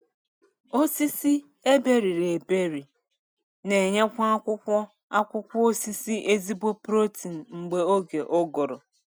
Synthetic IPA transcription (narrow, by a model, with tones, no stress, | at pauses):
o˦si˦si˦ | e˦be˦ɾi˨ɾe˨be˦ɾi˨ | ne˨ɲe˦kʷɔ˦a˦kʷʊ˦kʷɔ˦ | a˦kʷʊ˦kʷʊ˦o˦si˦si˦ʔe˦zi˦bo˦pɾo˦ti˨n̩˨ŋ͡m̩˨ɡ͡be˨o˦ɡe˨ʔo˦ɡɔ˨ɾɔ̰˨